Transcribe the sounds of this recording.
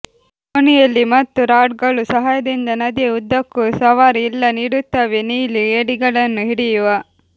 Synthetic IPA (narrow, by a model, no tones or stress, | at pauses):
konijɐlːimɐt̪ːuɾaːʈɡɐɭusɐɦaːjɐd̪ind̪ɐnɐd̪iud̪ːɐkːusɐʋaːɾiilːɐniːɽut̪ːɐʋeniːlieːɽiɡɐɭɐnːuɦiɽijuʋɐ